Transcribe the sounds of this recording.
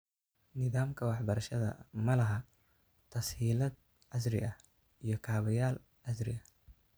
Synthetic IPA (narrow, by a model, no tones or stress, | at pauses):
nɪðaːmkʰɐwɑħbɐɾɐʃɐðɐ̰mɐlɐɦɐ | t̪ʰɐshiːlɐd̪̚ | ʕɐsɾɪ̰ʔɐh | ʔijɞkʰaːβɐjaːl | ʕɐsɾɪ̰ɐ